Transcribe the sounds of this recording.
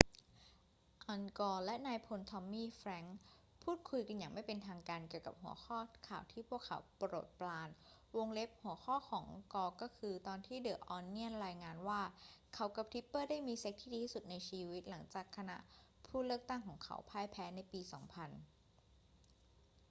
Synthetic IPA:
ʔɔː˧nkɔː˧lɛ˦˥ʔnaː˧jpʰo˧nt̪ʰɔ˧mːiː˥˩fɾɛ˦˥ŋ | pʰuː˥˩t̪̚kʰu˧jka˧nja˨˩ŋma˥˩jpe˧nt̪ʰaː˧ŋkaː˧nki˨˩əwka̰˨˩p̚ɦu˩˦ɐxʰɔː˥˩kʰaː˨˩wt̪ʰiː˥˩pʰu˥˩əkʰːa˩˦wpɾo̰ː˨˩t̪̚plaː˧n | wo˧ŋle˦˥p̚hu˩˦əxʰɔː˥˩kʰɔː˩˦ŋkɔː˧kɔː˥˩kʰɯː˧t̪ɔː˧nt̪ʰiː˥˩dɤː˨˩k̚ʔɔː˧nːi˦˥˩ənɾaː˧jŋaː˧nwaː˥˩kʰa˦˥wka˨˧˩p̚t̪ʰi˦˥pːɤː˥˩daː˥˩jmiː˧se˦˥k̚t̪ʰiː˥˩diː˧t̪ʰiː˥˩su˨˩t̪̚na˧jt͡ɕʰiː˧wi˦˥t̪̚la˩˦ŋt͡ɕaː˨˩kʰːa˧na̰˦˥ʔpʰuː˥˩lɯ˥˩ək̚t̪a˥˩ŋkʰɔː˩˦ŋkʰa̰˦˥wpʰaː˧˩jpʰɛː˦˥na˧jpiː˧sɔ̰ː˩˦ŋpʰa˧n

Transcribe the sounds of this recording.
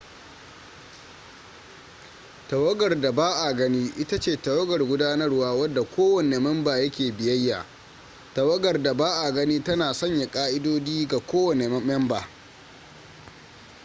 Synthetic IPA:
tɐ˨wɐ˦ɡɐ˨rda˨baː˦ʔa˨ɡɐ˦niː˦ʔɪ˦ta˦t͡ʃeː˦˨tɐ˨wɐ˦ɡɐ˨rɡʷʊ˦daː˦nɐ˦rwaː˦wɐ˦dːa˨kʷʰoː˦wɐ˨ne˨mɛ˦mbaː˨jɐ˦kʲeː˨bɪ˨jɐ˦jːa̰ː˨ | tɐ˨wɐ˦ɡɐ˨rda˨baː˦ʔa˨ɡɐ˦niː˦tɐ˦naː˨sɐ˦ɲja˨kʼaː˦ʔɪ˦doː˦d͡ʒiː˦ɡa˨kʷoː˦wɐ˨ne˨m˦mɛ˦mbaː˨

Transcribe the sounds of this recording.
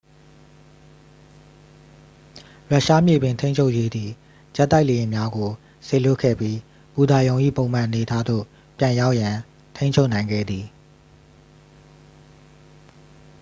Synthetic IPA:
ɹa˦˨ʃa˦mjḛ˦˨bɪ̃˨ntʰẽ˦ɲt͡ɕʰo˦ʊʔje˦d̪ði˨ | d͡ʑɛ˦t̪ːa˦ɪʔle˨jɪ̃˨mja˦ɡo˨ | se˨lʊ˦˨kʰːɛ̰˦˨pji˦ | pu˨d̪a˨jõ˨ʊ̃ʔḭ˦˨põ˨ʊ̃m̥ã˨ʔəne˨tʰa˦d̪o̰˦˨ | pjã˨ja˦ʊʔjã˨ | t̪ʰẽ˦t͡ɕʰo˦ʊʔnã˨ɪ̃ŋɡɛ̰˦˨d̪ði˨

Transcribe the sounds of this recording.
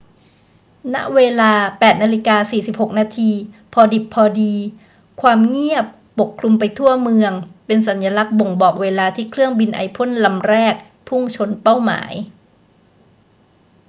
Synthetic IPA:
na˦˥ʔweː˧laː˧pɛː˨˩t̪̚naː˧li˦˥kaː˧siː˨˩si˨˩p̚ho˨˩k̚naː˧t̪ʰiː˧pʰɔː˧di˨˩pʰːɔː˧diː˧ | kʰwaː˧mŋi˥˩əp̚ːo˨˩kʰlu˧mpa˧jt̪ʰu˥˩ɐmɯ˧əŋpe˧nsa˩˦njaː˧la˦˥k̚bo˨˩ŋbɔː˨˩k̚weː˧laː˧t̪ʰiː˥˩kʰɾɯ˥˩əŋbi˧nʔa̰˧jpʰo˥˨nla˧mɾɛː˥˩k̚ | pʰu˥˩ŋt͡ɕʰo˧npa˥˩wma̰ː˩˦j

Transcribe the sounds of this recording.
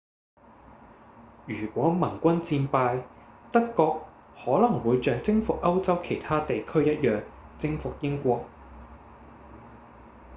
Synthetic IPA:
jyː˨˩kʷɔː˨˥mɐ˨˩ŋkʷɐ˥nt͡siː˧npaː˧jt̪ɐ˥kːɔː˧k̚ | hɔː˨˥lɐ˨˩ŋwuː˨˧jt͡ʃœː˨ŋt͡sɪ˥ŋfʊ˨k̚ʔɐ˥wt͡sɐ˥wkʰe˨˩jt̪ʰaː˥t̪e˨jkʰɵ˥ɥjɐ˥t̚jœː˨ŋt͡sɪ˥ŋfʊ˨k̚jɪ˥ŋkʷɔː˧k̚

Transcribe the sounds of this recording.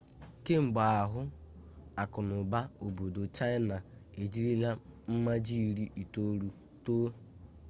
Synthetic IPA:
ke˦ŋ͡m̩˨ɡ͡ba˨a˨ɦʊ˦ | a˨kʊ˨nʊ˨ba˦o˨bo˨do˨t͡ʃa˦ɪ˦na˨e˨d͡ʒi˦ɾi˦la˦m̩˦ma˦d͡ʒi˦˨ɾi˦ʔi˨to˦ɾu˦ | to˦

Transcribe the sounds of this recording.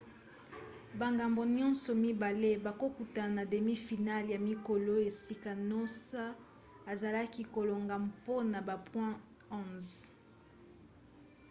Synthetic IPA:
ba˨ŋɡa˨mbo˨ɲɔ̃˦nsɔ˨mi˦ba˨le˦ba˨ko˦ku˨ta˨na˨de˨mi˦fi˨na˦lja˨mi˦ko˨lo˦e˨si˦ka˨no˦sa˦ | a˨za˨la˦ki˦ko˨lo˨ŋɡa˨mpo˦na˨ba˨pwɛ̃˦ | ɔ̃˦˨z

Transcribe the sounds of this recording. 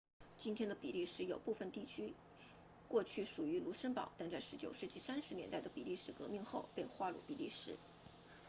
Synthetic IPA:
t͡ɕi˥nt̪ʰjɛ˥nd̪ə˨˩pi˨˩li˥˧ʂɻ̩˥jo˨˩ʊpu˥˩fə˨˩nt̪i˥˩t͡ɕʰy˥ | kwɔ˥˧t͡ɕʰy˥˩ʂu˨˩y˧˥lu˧˥ʂə˥npɑ̰˨˩˦ʊt̪a˥˧nt͡sa˥˩ɪʂɻ̩˧˥t͡ɕjo˨˩ʊʂɻ̩˥˧t͡ɕi˥˩sa˥nʂɻ̩˧˥njɛ̰˧˥nt̪a˥˩ɪd̪ə˩pi˨˩li˥˧ʂɻ̩˥˩kɤ˧˥mi˥˧ŋxo˥˧ʊpe˥˧ɪxwa˥˧lṵ˥˩pi˨˩li˥˩ʂɻ̩˥

